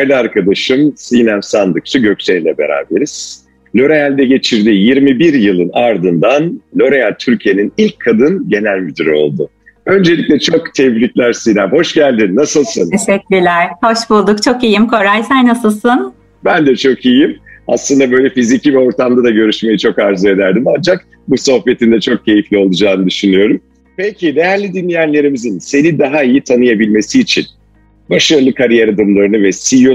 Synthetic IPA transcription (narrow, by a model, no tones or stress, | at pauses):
ajlʲˠɯaɾkʰad̪aʃɯmsijnæmsand̪ɯk̚t͡ʃʰaɟø̞cseilʲɛbe̞̰ɾa̰ːbe̞ɾiz̥ | lʲo̞ɾejælʲd̪ɛɟe̞t͡ʃʰiɾd̪ijiɾmibiɾjɯlˠɯnaɾd̪ɯnd̪anlʲo̞ɾejænʲt̪ʰyɾcʰije̞ninilʲcʰːad̪ɯnɟe̞nælʲmyd̪iɾio̞̰lˠd̪ʊ | ø̞nd͡ʒe̞lʲiclʲɛt͡ʃʰo̞kt̪ʰɛvlitlʲæɾsijnæmho̞ʃɟælʲd̪inːasɯlˠsɯnsɛk̚lʲilʲæɾ̥ho̞ʃbulˠd̪ukt͡ʃʰo̞kijimkʰo̞ɾajsænːasɯlˠsɯn | bænd̪ɛt͡ʃʰo̞kijima̰slˠɯnd̪abø̞jlʲɛfizicivɛo̞ɾt̪ʰamd̪ad̪aɟø̞ɾyʃme̞jit͡ʃʰo̞kaɾzɯe̞d̪æɾd̪imand͡ʒak̚ | buso̞hpe̞t̪ʰind̪ɛt͡ʃʰo̞k̚cʰe̞jiflʲio̞lˠud͡ʒaːnɯd̪yʃynyjo̞ɾum | pecʰine̞jæɾlʲid̪inlʲijænlʲe̞ɾimizinse̞nid̪aɦaijit̪ʰanɯjabilʲme̞siːt͡ʃʰin | baʃaɾlˠɯkʰaɾijaɾad̪ɯmlˠaɾɯnɯvɛsijo